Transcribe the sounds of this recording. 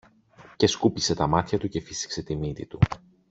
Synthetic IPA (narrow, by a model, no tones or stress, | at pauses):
ce̞skupise̞t̪ɐmɐt̪çɐt̪uce̞fisi̥kse̞t̪imit̪it̪u